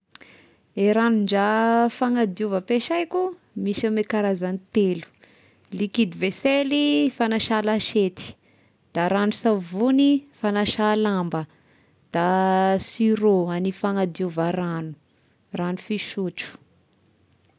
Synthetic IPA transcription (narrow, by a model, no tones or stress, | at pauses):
eɾanuɳd͡ʒafaŋad̪iuvəpeʃajku | misamekaɾazanit̪elu̥ | likid̪iveselifanaʃalaʃet̪i̥ | d̪̥aɾanusavunifanaʃalambə | d̪̥asiɾoanifaŋad̪iuvaɾanu̥ | ranufiʃuʈ͡ʂu̥